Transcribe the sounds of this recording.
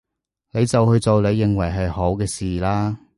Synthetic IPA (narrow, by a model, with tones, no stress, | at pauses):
ne˨˧jt͡sɐ˨whɵ˧ɥt͡so˨wle˨˧jːɪ˨ŋwɐ˨˩jɦɐ˨jho˨˥wkɛː˧siː˨laː˥